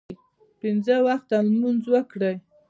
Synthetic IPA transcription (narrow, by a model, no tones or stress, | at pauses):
pɪnzəwaxt̪almunzwəkɽəj